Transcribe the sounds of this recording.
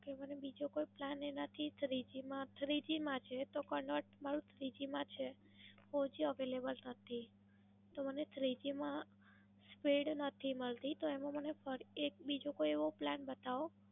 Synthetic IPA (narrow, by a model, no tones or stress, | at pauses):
kemənebid͡ʒokoiplanenat̪ʰit̪ʰɾid͡ʒimãt̪ʰɾid͡ʒimãt͡ʃʰet̪okəɳɖəʈmaɾũt̪ʰɾid͡ʒimãt͡ʃʰe | fod͡ʒiəʋelebəlnət̪ʰi | t̪omənet̪ʰɾid͡ʒimã | spiɽnət̪ʰiməɭt̪it̪oemãmənefəɾiek̚bid͡ʒokoieʋoplanbət̪aʋo